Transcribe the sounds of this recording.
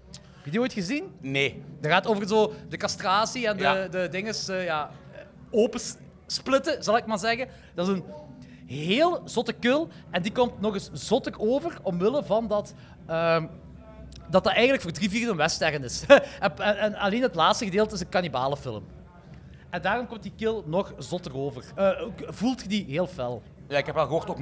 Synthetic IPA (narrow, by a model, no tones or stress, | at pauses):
ɦɛpjədioːjtxəzinnedərɣaːtoːvərɣənsoːdəkɑstraːsiɛndədədɪŋəsːjaː | oːpə | splɪtəzɑlˠɪk̚maːrzɛɣən | d̥ɑtɪzən | ɦɦeːlˠzɔtəkɵlˠ | ʔɛndikɔmtnɔɣɪsz̥ɔtəroːvərɔmwɪləvɑndɑt | əː | dɑt̚dɑtɛjɣənləkfoːrdriviːrdənʋɛstɛrəntɪs | ɛnɑleːnɦətlaːtstəɣədeːlˠtəɪsəkɑnibaːləfɪ̰lˠə̰m | ɛndaːrɔmkɔmt̚dikɪlˠnɔxzɔtəroːvərəːvulˠtxədiɦeːlˠfɛlˠ | jaɪkɛpʋɛlˠɣəɦoːrtok